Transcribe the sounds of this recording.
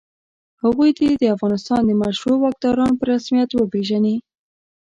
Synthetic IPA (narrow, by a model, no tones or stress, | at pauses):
haɣujd̪ed̪əafɣɑnɪst̪ɑnd̪əmaʃɾowɑk̚d̪ɑɾɑnopəɾasmijat̪wəpeʒani